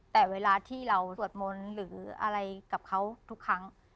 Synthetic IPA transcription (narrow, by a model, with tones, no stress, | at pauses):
t̪ɛː˨˩weː˧˥laː˧t̪ʰiː˥˩ɾa˧wu˨˩ət̪̚mo˧nɾɯː˩˦ʔa̰˧ɾa˧jka˨˩p̚kʰa˦˥wt̪ʰu˦˥kʰːɾa˦˥ŋ